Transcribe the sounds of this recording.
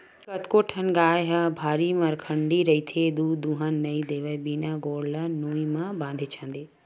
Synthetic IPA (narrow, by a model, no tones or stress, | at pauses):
kɐt̪koːʈʰənɡaːeɦɐbʱaːɾimãɾɐkʰə̃ɳɖiɾɐit̪ʰed̪uːd̪ũːɦənnɐid̪eːʋəebiːnaɡoːɽlanoːĩmãbãːnd̪ʱet͡ʃʰãːn̆d̪eː